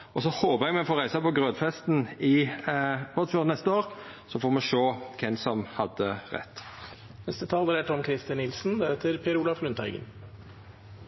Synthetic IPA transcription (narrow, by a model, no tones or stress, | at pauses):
ɔsɔhoːpəʁɛɡmɛnfoːʁæɪsɑpɔɡʁøːd̪fɛst̪n̩ɪ | bɔd̪føːʁnɛst̪əoːʁsɔfoːɾmɛʃoːkʰɛnsɔmhɑd̪əʁɛ̰t̪ː | nɛst̪ət̪ʰɑːld̪əɾɛt̪ɔmkʰɾɪst̪ɪnɪlsn̩d̪æɾɛt̪ʰəɾpʰeɾuːlɑflʉnt̪æ̰ɪɡə̰n